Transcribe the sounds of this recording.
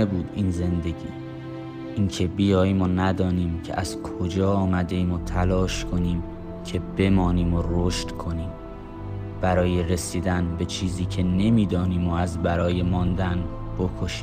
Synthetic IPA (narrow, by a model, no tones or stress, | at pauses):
ebuːd̪iːnze̞nd̪e̞ɡḭː | ʔiːncʰe̞bijɒːjimonæd̪ɒːniːmcʰḛʔæz̥kʰo̞d͡ʒɒːɒːmæd̪e̞imot̪ʰælɒːʃkʰo̞niːm | cʰebe̞mɒːniːmoroːʃt̪kʰo̞niːm | b̥æɾɒːje̞re̞siːd̪ænbe̞t͡ʃʰiːziːcʰene̞miːd̪ɒːniːmoæzbæɾɒːje̞mɒːnd̪ænb̥okʰoʃi̥ː